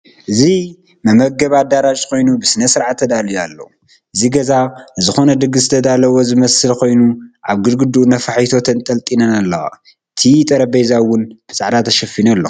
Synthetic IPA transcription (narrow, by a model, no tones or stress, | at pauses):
ʔɨzi | mɐmɐɡɐβad̪aɾat͡ʃʼkʰo̞jnubɨsɨnɐsɨɾʕat̪ʰːɐd̪alijalːo̰ | ʔɨziɡɐzaɨzɨxo̞nɐd̪ɨɡɨzɨt̪ʰɐd̪alɐwozɨmɐsɨlkʰo̞jnuʔaβɡɨd̪ɡɨd̪unɐfaħit̪ʰo̞t̪ʰɐnt̪ʼɐlt̪ʼinɐnalːɐwa̰ | ɨt̪ʰit̪ʼɐɾɐbejzawʊnb̥ɨsʼaʕd̪at̪ʰɐʃɐfinalːo̰